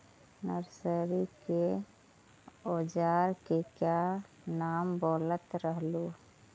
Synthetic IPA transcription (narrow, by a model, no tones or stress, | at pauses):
nəɾsəɾike | oːd͡ʒaːɾkekja | naːmboːlət̪ɾəɦlo